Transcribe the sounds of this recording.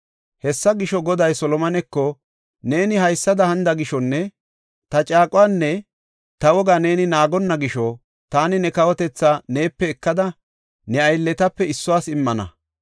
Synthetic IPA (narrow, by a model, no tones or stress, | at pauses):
hɛsːɐɡɪʃɔɡɔd̪ɐjsɔlɔmɐnɛkːɔ | ne̞ːnɪhɐjsːɐd̪ɐhɐnd̪ɐɡɪʃɔnːɛ | t̪ɐt͡ʃʼaːkʼʊwaːnːɛ | t̪ɐwɔɡane̞ːnɪnaːɡɔnːɐɡɪʃɔ | t̪aːnɪnɛkɐwɔt̪ɛt͡sːane̞ːpːɛːkːɐd̪ɐ | nɛɐjlːɛt̪ɐpːɛɪsːʊwaːsɪmːɐnɐ̰